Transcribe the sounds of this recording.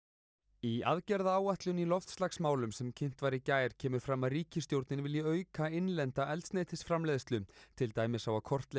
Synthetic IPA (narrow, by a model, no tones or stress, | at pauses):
iaðcɛɾðaaːwaht̪lʏnilɔft̪st̪laxsmaːwlʏmsɛmcʰem̥t̪vaɾɪcaːjɾ̥cʰɛːmʏɾ̥fɾamːaðriːcɪst̪jowɾt̪nɪnvɪljaœːɥkaenlɛnt̪aʔɛlt̪sneːjt̪ʰɪ̥sfɾamlɛːðst̪lʏmt̪ʰɪlt̪aːjmɪsawakʰɔr̥t̪le